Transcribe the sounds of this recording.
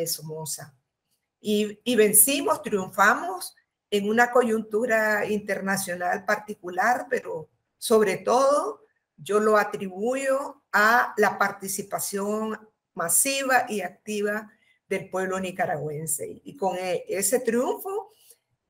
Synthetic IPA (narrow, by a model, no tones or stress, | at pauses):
esomosa | iiβe̞nsimo̞st̪ɾjuɱfamo̞s | e̞ŋunako̞ʝunt̪uɾaint̪e̞ɾnasjo̞nalpaɾt̪ikulaɾpe̞ɾo̞ | so̞βɾe̞t̪o̞ðo̞ | d͡ʒo̞lo̞at̪ɾiβujo̞ | alapaɾt̪isipasjo̞ŋ | masiβaʔiak̚t̪iβa | ðe̞lpwe̞βlo̞nikaɾaɣwe̞nse̞̰iko̞ŋee̞se̞t̪ɾjuɱfo̞